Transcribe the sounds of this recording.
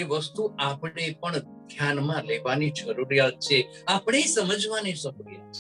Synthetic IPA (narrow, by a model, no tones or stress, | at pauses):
eʋəst̪uapɽepəɳ | d̪ʱjanmãleʋanid͡ʒəɾuɾijat̪̚t͡ʃʰe | apɳ̃esəməd͡ʒʱʋaniʃəkɾjet͡ʃʰe